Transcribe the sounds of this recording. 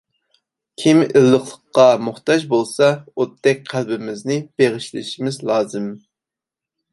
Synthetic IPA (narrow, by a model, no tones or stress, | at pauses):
kʲʰimɪlˠːəχlˠəqːɑmuχt̪ɑd͡ʒbolˠsɑot̪ːɛk̚ʲqʰælbɪmɪznɪb̥eʁɪʃlɪ̰ʃimɪzlˠɑːzɨm